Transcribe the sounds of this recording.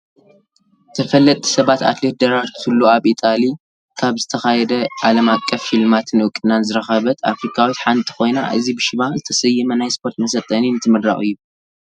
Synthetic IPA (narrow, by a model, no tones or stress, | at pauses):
t̪ʰɐfɐlːɐt̪ʼi̥sɐβat̪a̰t̪le̞t̪̚d̪ɐɾaɾt̪ʰulːoaβit̪ʼali | kʰaβzɨt̪ʰɐxajɛd̪ɐʔalɐmakʼːɐfːilmat̪ʰɨnɨkʼɨnanzɨɾɐxɐβɐt̪a̰fɾikʰawit̪ħant̪ʰʼi̥kʰo̞jna̰ʔɨ̰zibɨʃɪβazɨt̪ʰɐsɐjɨmɐnajspʰo̞ɾt̪mɐsɐt̪ʼːɐninɨt̪ʰɨmɨd̪ɾa̰χʼɨjːu